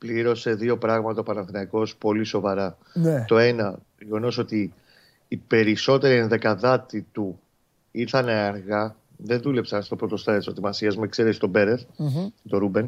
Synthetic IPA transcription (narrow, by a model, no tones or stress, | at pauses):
pliɾo̞se̞ðio̞pɾɐɣmɐt̪ɐopɐnɐnθɾiɐko̞spo̞liso̞vɐɾɐ | nt̪o̞e̞nɐ | ʝeɣo̞no̞so̞t̪iː | pe̞ɾiso̞t̪e̞ɾienðe̞kɐðɐt̪it̪u | iɾt̪ɐneɐɾɣɐ | ðe̞nðule̞psɐnst̪o̞pɾo̞t̪o̞st̪ɐt̪iso̞t̪imɐsiɐzmuekseɾest̪o̞be̞ɾet̪t̪o̞ɾube̞n